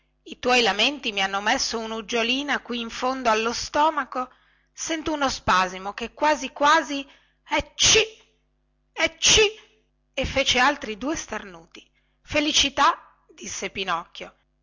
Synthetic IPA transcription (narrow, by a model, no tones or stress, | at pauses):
it̪wɔjlament̪imianːomesːounud͡ʒoliːnakwiːɱfond̪oalːost̪ɔːmako | sɛnt̪ounospazimokekːwaːzikwaːzi | ɛt͡ʃi | ɛt͡ʃi | efeːt͡ʃealt̪ɾid̪uːest̪arnuːt̪i̥ | felit͡ʃit̪a | d̪̥isːepinɔkːjo